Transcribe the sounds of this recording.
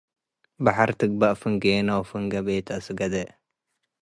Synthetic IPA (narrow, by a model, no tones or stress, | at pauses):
baħaɾt̪ɨɡ̚baʔfɨŋɡeːnɐwfɨŋɡɐbeːt̪ʰɐsɨɡɐd̪ɐ